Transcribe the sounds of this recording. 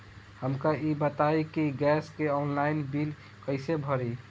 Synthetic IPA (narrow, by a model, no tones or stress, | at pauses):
həmkaʔibət̪ajkiɡɛskeɔnlainbil | kəɪsebʱəɾi